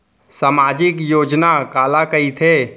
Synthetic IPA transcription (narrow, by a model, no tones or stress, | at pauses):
saːmaːd͡ʒɪkjoːd͡ʒnakaːlakəit̪ʰe